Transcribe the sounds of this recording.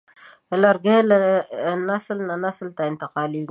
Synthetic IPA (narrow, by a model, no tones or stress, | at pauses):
əlaɾɡel | nasəlnanasəlt̪aɪnt̪ɪqɑːliɡ